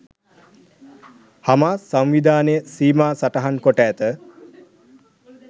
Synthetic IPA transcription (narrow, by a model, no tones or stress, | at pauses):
hamaːsamʋid̪aːnəjəsiːmaːsaʈəɦankoʈæːt̪ə